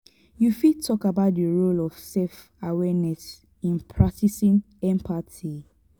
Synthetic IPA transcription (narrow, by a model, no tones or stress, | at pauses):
jufitʰɔkabaʊt̚dəɹolɔv̥sɛf | awɛnɛs | ĩnpʰɹak̚tisĩn | ɛ̃mpʰatʰi